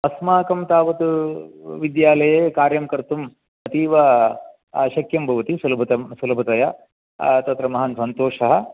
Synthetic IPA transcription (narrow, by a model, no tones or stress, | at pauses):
ɐsmaːkɐmt̪aːʋɐt̪uʋid̪jaːlɐjeːkaːɾjɐmkɐɾt̪um | ɐt̪iːʋɐ | ʃɐkjɐmbʱɐʋɐt̪isulbʱɐt̪ɐsulɐbʱɐt̪ɐjɐ | t̪ɐt̪ɾɐmɐɦɐnsɐnt̪oːʂɐɦɐ